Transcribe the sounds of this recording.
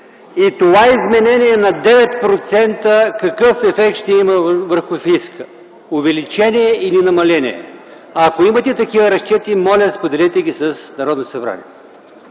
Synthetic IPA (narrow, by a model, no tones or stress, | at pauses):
it̪ovaizmɛnɛniɛnɐd̪ɛvɛt̪̚pɾot̪sɛnt̪əkɐkɤfɛfɛk̚t̪ʃt̪ɛiməvəɾxʊfiskə | ovɛlit͡ʃɛniɛilinɐmɐlɛnḭɛ̰ | ɐkoimɐt̪ɛt̪ɐkivəɾɐʃt͡ʃɛt̪imɔlʲɐspod̪ɛlɛt̪ɛɡʲisɐsnɐɾɔd̪not̪o̥sɐbɾa̰nḭɛ